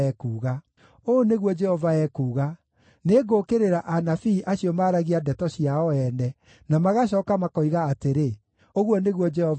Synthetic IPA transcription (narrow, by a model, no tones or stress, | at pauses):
ɛkuːɣa | oneɣwɔd͡ʒɛhɔvaɛkuːɣa | neɡokeɾeɾaʔanafiːʔaɕiɔmaɾaɣiadɛtɔɕiaɔɛnɛ | namaɣaɕ̬ɔːkamakɔiɣaːteɾe | oɣwɔneɣwɔd͡ʒɛhɔ